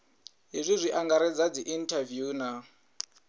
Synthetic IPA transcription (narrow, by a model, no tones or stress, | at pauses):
ɦizʷizʷiʔaŋɡaɾɛd͡zad͡ziʔintʰavjuːna